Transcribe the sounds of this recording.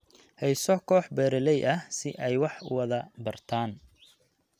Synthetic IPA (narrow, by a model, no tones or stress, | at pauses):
hɛjsɔkʰɔːħbɛːɾɛlɛjʔɐsɪʔɛjwɑħwɐðɐbɐrt̪ʰaːn